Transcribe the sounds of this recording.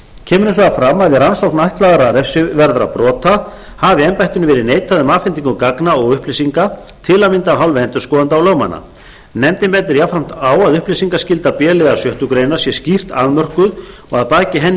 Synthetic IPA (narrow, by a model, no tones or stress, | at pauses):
cʰɛːmʏɾʏs̬vaɣafɾamːaððɪransowhknajht̪laːɣaɾaɾɛfsʏvɛɾðɾa̰pɾɔːt̪a | havɪɛmpajht̪ɪnʏvɛːɾɪðneːjt̪ʰaðʏmaːfɛnt̪iŋkʏkaknaɔɣʏhplesiŋka | t̪ʰɪlamɪnt̪avɦawlvɛhɛnt̪ʏ̥skɔːðant̪awlœːwma̰nːa̰ | nɛmt̪ɪmpɛnt̪̬ɪɾjawfɾam̥t̪aːwaðʏhplejsiŋkascɪlt̪apjɛːlɪðasjœht̪ʏkɾejnḁsjɛscir̥t̪aðmœr̥kʏð | ɔɣaðpaːcɪɦɛnː